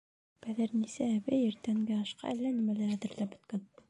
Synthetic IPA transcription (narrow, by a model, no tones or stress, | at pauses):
b̥æðæɾnisæːβɘjɘ̆ɾt̪æŋɡæɑʃqɑ̰ʔælːænimælæɾæðɘ̆ɾlæp̚bɵ̆t̪̚kæn